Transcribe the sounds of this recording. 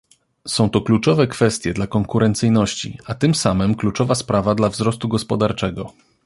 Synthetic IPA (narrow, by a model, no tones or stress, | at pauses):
sɔ̃w̃t̪ɔklut͡ʂɔvɛkfɛst̪ʲjɛd̪lakɔŋkuɾʔɛnt̪sɘjnɔɕt͡ɕḭat̪ɘmsamɘmklut͡ʂɔvaspɾavad̪lavzɾɔst̪uɡɔspɔd̪aɾt͡ʂɛɡɔ